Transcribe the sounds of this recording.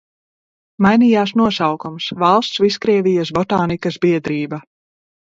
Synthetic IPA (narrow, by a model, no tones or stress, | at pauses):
majnijaːsnuɔsawkumsvalˠst̪sviskɾiɛvijɐs̬bɔt̪aːnikɐsbiɛd̪ɾiːba